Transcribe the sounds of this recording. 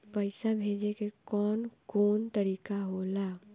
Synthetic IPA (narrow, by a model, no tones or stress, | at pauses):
pəɪsabʱeːd͡ʒekekɔːnkoːnt̪əɾiːkaɦolaː